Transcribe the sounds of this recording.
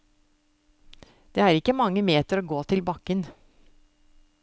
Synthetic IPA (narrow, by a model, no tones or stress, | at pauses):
d̪̥eːæːɾɪkːəmɑŋːəmeːt̪əɾoːɡoːt̪ʰɪlbɑkːən